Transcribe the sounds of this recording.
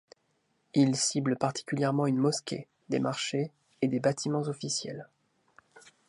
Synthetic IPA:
ilsibləpaʁt̪i̥kʲyljɛʁmɑ̃ynmɔskʲḛ | d̪ḛmaʁʃeː | d̪ebat̪ʰimɑ̃zɔfisjɛ̰l

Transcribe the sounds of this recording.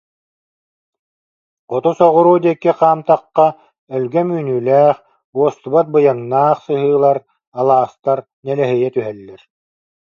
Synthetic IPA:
qɔt̪usɔʁuɾuːd̪iɛkːiqaːmt̪aqːa | œlɡɛmyːnyːlæːχ | uɔst̪ubat̪̚bɯjaŋnaːχsɯɦɯːlˠaɾ | alˠaːst̪aɾ | nɛlɛɦɛjɛt̪yɦɛlːɛɾ

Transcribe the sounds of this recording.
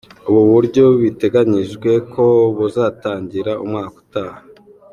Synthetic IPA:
uβuβuɾɟo̞βite̞ɡaɲiʒɡwe̞kʰo̞βuzaːtaːɲɟiɾaʔumŋaːku̥taːha

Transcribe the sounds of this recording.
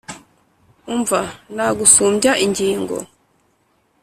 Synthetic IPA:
uɱvanaɡusuːmbaʔiɲɟiːŋɡo̰

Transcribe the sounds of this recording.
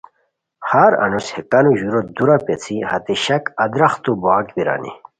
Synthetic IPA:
haɾɐ̰nushekanuʑuɾod̪uɾapet͡sʰihɐt̪eɕɐkɐd̪ɾɐxt̪uboakbiɾa̰ːnḭ

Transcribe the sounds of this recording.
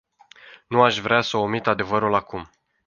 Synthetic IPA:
nuaʃvɾeasəomit̪ad̪e̞vəɾulakum

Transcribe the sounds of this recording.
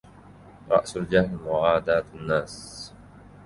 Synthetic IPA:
ɾˤɑ̰ʔsald͡ʒahnmʊʕaːd̪aːt̪anːaːs

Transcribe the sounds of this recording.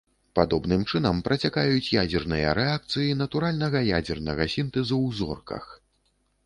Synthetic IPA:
pad̪ɔbnɨmt͡ʂɨnɐmpɾʔɐt͡sʲakajut͡sʲjad͡zʲɛrnɨjɐ̰ɾɛak̚t̪sɨjin̪ɐt̪uɾalʲnɐɣɐja̰d͡zʲɛrnɐɣɐsʲint̪ɛzɐwzɔ̰rkɐ̰x

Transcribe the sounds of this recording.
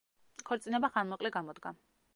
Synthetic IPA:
kʰɔɾt̪sʼinɛbaχanmɔqʼlɛɡamɔd̪ɡa

